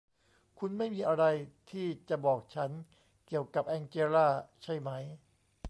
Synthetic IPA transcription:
kʰu˧nma˥˩jmiː˧ʔa˧ɾa˧jt̪ʰiː˥˩t͡ɕa˨˩bɔː˨˩k̚t͡ɕʰa˦˥n | ki˨˩əwka˨˩p̚ʔɛː˧nt͡ɕeː˧ɾaː˥˩t͡ɕʰa˥˩jma˦˥j

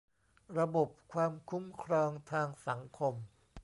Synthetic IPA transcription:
ɾa˧bo˨˩p̚kʰwaː˧mkʰu˦˥mkʰɾɔː˧ŋt̪ʰaː˧ŋsa˩˦ŋkʰo˧m

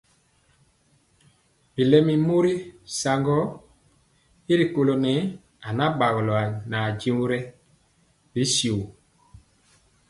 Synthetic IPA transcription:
bi˨lɛ˦mi˦mo˦ɾi˦sa˨ŋɡɔ˦ | i˦ɾi˨ko˨lo˨nɛ˨˦ | a˨na˦ba˨ɣo˨lɔ˨a˨na˨d͡ʒi˦u˦ɾɛ˦ | bi˨˦si˨u˨

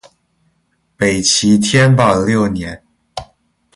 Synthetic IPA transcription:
pe˨˩ɪt͡ɕʰi˧˥t̪ʰjɛ˥npɑ˥˨˩ljo˥˩ʊnjɛ˧˥˦n

